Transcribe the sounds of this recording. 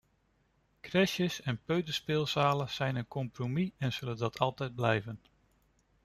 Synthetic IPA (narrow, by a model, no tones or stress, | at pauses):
krɛʃjəsɛnpøɥtəspɪːlˠsaːləz̥ɛjnənkɔmpromiɛnz̥ɵləndɑtʰɑlˠtɛjd̚blɛjvən